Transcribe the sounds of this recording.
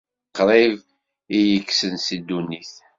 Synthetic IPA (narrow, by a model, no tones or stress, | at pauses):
qːɾˤɪv | ijəkːsənsid̪ːunːiθ